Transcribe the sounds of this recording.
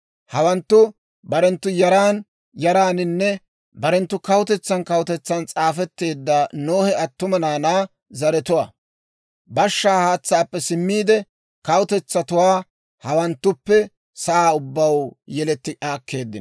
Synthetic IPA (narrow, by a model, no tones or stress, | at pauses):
hɐwɐnt̪ːʊ | bɐɾɛnt̪ːʊjɐɾaːn | jɐɾaːnɪnːɛ | bɐɾɛnt̪ːʊkɐwʊt̪ɛt͡sːɐnkɐwʊt̪ɛt͡sːɐnt͡sʼaːfɛt̪ːe̞ːd̪ːanoːhɛɐt̪ːʊmɐnaːnaː | zɐɾɛt̪ʊwaː | bɐʃːaːhaːt͡sːaːpːɛsɪmːiːd̪ɛ | kɐwt̪ɛt͡sːɐt̪ʊwaː | hɐwɐnt̪ːʊpːɛ | sɐʔaːʊbːɐwjɛlɛt̪ːɪʔaːkʰːe̞ːd̪ːɪn